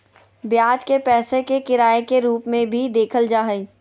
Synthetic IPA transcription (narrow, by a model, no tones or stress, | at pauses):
bjaːd͡ʒkepɛːsekekɪɾaːekeɾuːpmẽbʱid̪eːkʰəld͡ʒaːɦə